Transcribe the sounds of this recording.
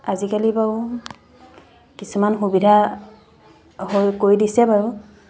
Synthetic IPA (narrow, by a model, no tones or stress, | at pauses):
azikaliba | kisumanxubidʱa | ɦojkoɹidisɛbaɹʊ